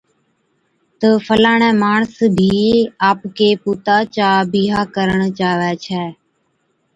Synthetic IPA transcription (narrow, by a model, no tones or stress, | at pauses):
t̪əːfʰəlaːɳ̃ɛ̃ːmaːɳsbʱiːaːpkeːpuːt̪aːt͡ʃaːbiːɦaːkəɾəɳt͡ʃaːʋɛːt͡ʃʰɛː